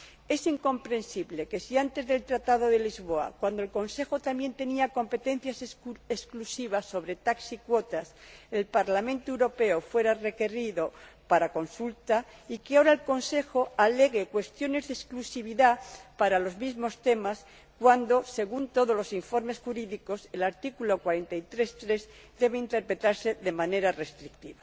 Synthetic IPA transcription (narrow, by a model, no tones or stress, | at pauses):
e̞siŋkõ̞mpɾe̞nsiβle̞ke̞siant̪e̞zðe̞lt̪ɾat̪aðo̞ðe̞lizβo̞a̰kwand̪oe̞lko̞nse̞xo̞t̪ambje̞nt̪e̞niako̞mpe̞t̪e̞n̟θjasesklusiβasːo̞βɾe̞t̪aksikwo̞t̪ase̞lpaɾlamẽ̞nt̪oewɾo̞pe̞ofwe̞ɾare̞ke̞riðo̞paɾako̞nsult̪aikeaoɾaelko̞nse̞xo̞ale̞ɣ̞e̞kwe̞st̪jo̞ne̞zðesklusiβiðapaɾalo̞zmizmo̞st̪e̞mas | kwand̪o̞se̞ɣ̞unt̪o̞ð̞o̞zlo̞siɱfo̞ɾme̞sxuɾiðiko̞se̞laɾt̪ikulo̞kwaɾe̞nt̪ait̪ɾe̞st̪ɾe̞z | d̪e̞βeint̪e̞ɾpɾe̞t̪aɾse̞ðe̞mãne̞ɾare̞st̪ɾik̚t̪iβa